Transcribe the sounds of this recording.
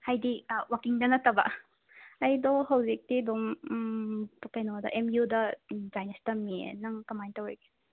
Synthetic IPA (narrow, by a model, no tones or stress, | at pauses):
hajdiwakiŋdɐnɐt̪ɐbɐ̰ | ɐjd̪ohɐwzik̚tid̪om | pkɐjnɔd̪ɐ̰ʔemjudɐd͡ʒajnestɐmiḛnɐŋkɐmajntɐwojke̥